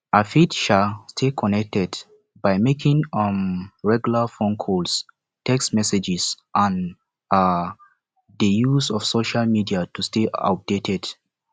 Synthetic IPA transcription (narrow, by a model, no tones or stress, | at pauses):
afitʃalstʰekʰɔnɛk̚tɛd | baɪmekʰĩŋmɹɛɡjulafõnkʰols | tɛkstmɛsɛd͡ʒisʔãn | dəjuzɔv̥soʃalmidiatusteʔa̰p̚d̥etʰɛd̥